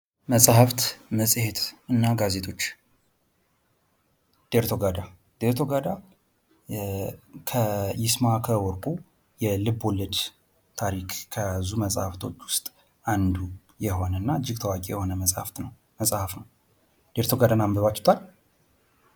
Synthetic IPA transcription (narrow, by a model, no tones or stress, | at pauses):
məsʼhəft̪məsʼhe̞t̪ɨnːaɡaze̞t̪ʼʰo̞t͡ʃː | d̪̥eɾt̪ʰo̞ɡad̪a | d̪̥eɾt̪ʰo̞ɡad̪a | kʰəjɪsmakʰəwɔɾkʼu | jɛlɨβːoləd̪ | t̪ʰaɾikʰkʰːəjazuməsʼhəft̪ʰo̞̰t͡ʃːwʊst̪ʼ | and̪u | jɛho̞nəɨnːaɨd͡ʒːɪɡ̚t̪ʰəwakʼijɛho̞nəməsʼhft̪nəw | məsʼhəfnəw | d̪̥eɾt̪ʰo̞ɡad̪anambəβat͡ʃːt̪ʰal